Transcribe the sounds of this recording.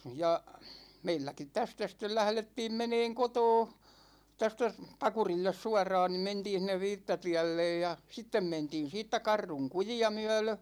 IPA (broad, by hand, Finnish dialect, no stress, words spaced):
jɑ meilːækit tæstæ stel læhletːiːm meneːŋ kotoː tæstæ s pɑkurilːes suɑrˑɑːn ni mentiːn̞ sĭnˑeʋ ʋiːtːɑtiælːej jɑ sitːem mentiːn siːtːæ kɑrːuŋ kujiɑ myæ̝lø